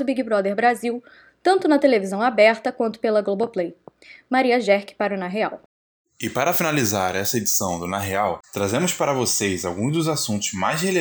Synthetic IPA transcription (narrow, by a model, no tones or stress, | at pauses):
ʊbiɡibɾɔd̪eɾbɾaziw | t̪ɐ̃nt̪ʊnɐt̪elevizɐ̃w̃abɛɾt̪ɐkwɐ̃nt̪ʊ̥pelɐɡloboplej | maɾiɐʒɛhkɪ̥paɾunaɦea̰w | ɪpaɾɐfinalizaɾɛsɐed͡ʒisɐ̃w̃d̪ʊnaɦeawt̪ɾazẽmʊspaɾɐvosejzawɡũzd̪ʊzasũnt̪ʊzmajzhele